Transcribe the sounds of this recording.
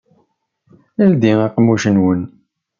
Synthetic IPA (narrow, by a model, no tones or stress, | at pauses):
əld̪iɑqmːuʃənwən